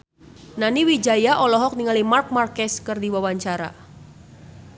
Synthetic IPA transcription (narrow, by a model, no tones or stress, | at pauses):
naniwid͡ʒajaʔɔlɔɦɔk̚niŋalimark̚markɛskɨrdiwawaɲt͡ʃaɾa̰